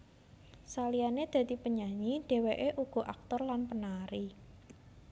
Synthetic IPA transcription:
salianed̪̥ä̤d̪i̤pəɲaɲiɖ̥e̤weʔeʔuɡ̥ɔ̤ʔak̚t̪ɔrlanpənaɾi

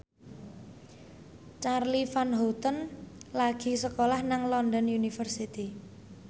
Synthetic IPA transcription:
t͡ʃarlifanɦot̪ənlaɡ̥i̤səkolahnaŋlɔndɔnjunifərsit̪i

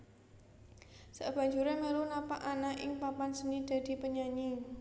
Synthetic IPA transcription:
səʔb̥a̤ɲd͡ʒuɾeməlunapaʔanaʔɪŋpapansənid̪̥a̤d̪̥i̤pəɲaɲi

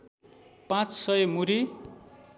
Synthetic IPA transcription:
pãt͡ssʌjʌmuɾi

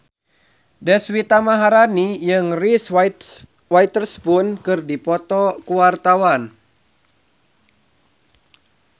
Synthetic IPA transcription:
dɛswit̪amaɦaɾanijɨŋris | wajt̪ərspunkɨrdipɔt̪ɔkuwart̪awan

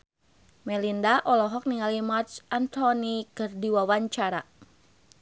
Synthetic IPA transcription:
mɛlindaʔɔlɔɦɔk̚niŋalimart͡ʃant̪ɔnikɨrdiwawaɲt͡ʃaɾa

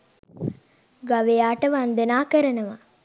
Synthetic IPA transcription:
ɡaʋejaːʈəʋand̪ənaːkəɾənəʋa

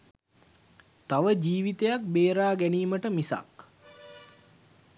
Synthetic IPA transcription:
t̪aʋəd͡ʒiːʋit̪ejak̚beːɾaːɡæniːməʈəmisa̰k

